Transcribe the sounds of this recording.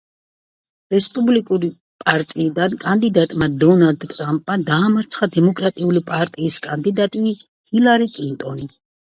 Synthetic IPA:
ɾɛspʼublikʼuɾi | pʼaɾt̪ʼiːd̪ankʼand̪id̪at̪ʼmad̪ɔnald̪t̪ʼɾampʼmad̪aːmaɾt̪sʰχad̪ɛmɔkʼɾat̪ʼiulipʼaɾt̪ʼiːskʼand̪id̪at̪ʼi | hilaɾikʼlint̪ʼɔni

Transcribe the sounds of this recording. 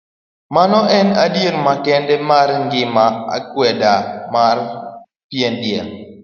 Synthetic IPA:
manɔʔɛnadjeɾmakɛndɛmarŋɡɪmaa̰kwɛdamar | pjendjɛŋ

